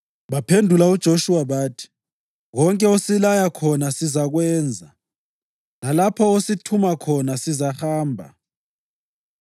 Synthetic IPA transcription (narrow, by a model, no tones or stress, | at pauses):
βapʰendʱulaud̥ʒ̥ʱoʃuwaβaːtʰi̥ | ɣɔŋkʼɛosilajakʰɔnasizaɣwɛːnd͡zʱa | lalapʰɔositʰumakʰɔnasizaxaːmbʱa̰